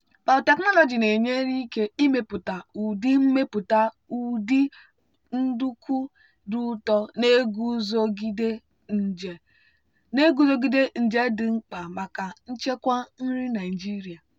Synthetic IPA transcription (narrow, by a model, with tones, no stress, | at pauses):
ba˨te˨knɔ˦lɔ˨d͡ʒi˨ne˨ɲe˦ɾi˦ke˦i˦me˦pʊ˨ta˨u˨di˦m̩˦me˦pʊ˨ta˦ | u˨di˦ | n̩˦du˦ku˦ | du˦tɔ˦ne˦ɡu˦zo˦ɡi˦de˦˨ | ne˦ɡu˦zo˦ɡi˦de˦n̩˨d͡ʒe˦dɪ˨ŋ͡m̩˦k͡pa˨ma˨ka˨n̩˦t͡ʃe˦kʷa˦n̩˦ɾi˦na˨ɪ˨d͡ʒi˦ɾi˨a˨